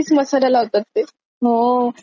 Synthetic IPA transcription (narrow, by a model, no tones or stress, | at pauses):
iːsməsalalaʋt̪at̪ːe | ɦo